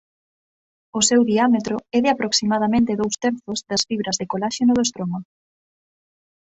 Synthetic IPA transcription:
osewðiamet̪ɾoɛðɪapɾoksimað̞ɐmẽnt̪ɪðowst̪ɛɾθozd̪ɐsfiβɾɐzðekolaʃenoðoest̪ɾomɐ

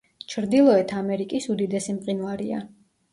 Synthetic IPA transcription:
t͡ʃʰɾd̪ilˠɔɛt̪ʰamɛɾikʼisud̪id̪ɛsimqʼinvaɾia̰

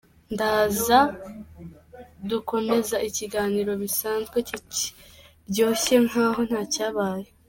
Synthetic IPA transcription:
ndaːza | duko̞me̞zaiciɡaːniːɾo̞βisaːnzɡwe̞cici̥ | bɟo̞ːçe̞ŋ̥haːɦo̞n̥haːcaːβaːje

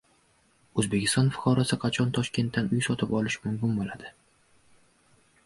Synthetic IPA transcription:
ɵzbe̞kʲɪ̥st̪ɒnfʊ̥qʰɒɾasɪqʰɑt͡ʃʰɒnt̪ʰɒʃkʲe̞nt̪ːanʊjsɒt̪ʰɪpɒlɪʃmʊmkʲɪnbolad̪ɪ

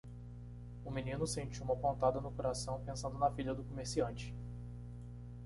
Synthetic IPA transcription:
ʊminĩnʊsẽnt͡ʃiwumɐpõnt̪ad̪ɐnʊkoɾasɐ̃w̃pẽsɐ̃nd̪ʊnɐfiʎɐd̪ʊkomeɾsiɐ̃nt͡ʃɪ̥

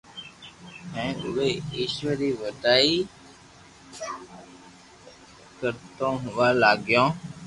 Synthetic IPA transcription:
mɛ̃ːʊ̰ʋeːiːʃʋəɾiːʋəʈaːiː | kəɾt̪õːɦʊ̃ʋaːlaːɡɪjõː

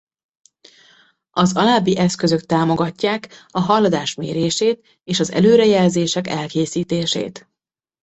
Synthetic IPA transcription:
ɒzɒlaːbːiʔɛskø̞zø̞k̚t̪aːmo̞ɡɒcːaːkɒɦɒlːɒd̪aːʃmeːɾeːʃeːt̪ | eːʃɒzɛ̰løːɾɛjɛlzeːʃɛkɛlkeːsiːt̪eːʃḛːt̪

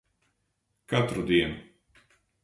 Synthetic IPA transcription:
kat̪ɾud̪iɛnu

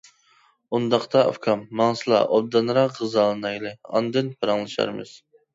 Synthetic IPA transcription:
und̪ɑqt̪ʰɑ̰fkʰɑmːɑŋsɨlˠɑ̰ʔod̪ːɑnɾɑqʁɨzɑlˠɨnɑjlˠɨɑ̰nd̪ɨnpʰɑɾɑŋlˠɨʃɑ̰ɾmɨ̰z̥

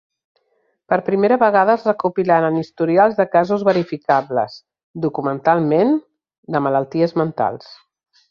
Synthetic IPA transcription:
pəɾpɾimeɾəβəɣaðəəzrəkupilanənist̪uɾialˠzðəkazuzβəɾifikaβlə̰s | d̪ukumənt̪alˠmen | d̪əmələlˠt̪iəzmənt̪a̰lˠs

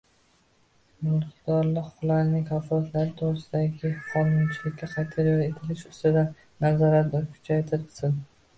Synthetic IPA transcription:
mʊlqd̪̥ɒɾlɪqʰʊlaɾnɪŋkʰafɒlat̪ʰlaɾɪt̪ʰoɾɪsɪd̪aɡʲɪqʰɒnʊnt͡ʃʰɪlɪkʲːaqʰɑjt̪ʰɪɾjɒt̪et̪ʰɪlɪʃʊst̪ɪd̪a | nazɒɾat̪d̪ɒkʰʊ̥t͡ʃʰajt̪ʰɪɾɪlsɪn

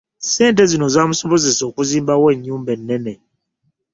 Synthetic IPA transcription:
sɛnt̬ɛzinozʷamusɔbozesokuzĩmbawɛɲːũmbɛnːɛnɛ

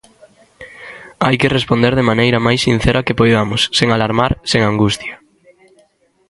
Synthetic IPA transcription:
ajkerespond̪eɾðemanejɾɐmajsːin̟θeɾʔakepojðamʊsːeŋalaɾmaɾseŋaŋɡust̪jɐ

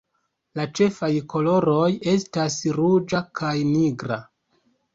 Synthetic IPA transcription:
lat͡ʃe̞fajkʰo̞lo̞ɾo̞je̞stasɾud͡ʒakʰajniɡɾa

